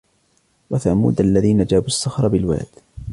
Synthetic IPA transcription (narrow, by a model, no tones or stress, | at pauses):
waθamṵːd̪aʔlːaðiːnad͡ʒaːbuʔsˤːɑxɾˤɑbɪlwa̰ːd̪̥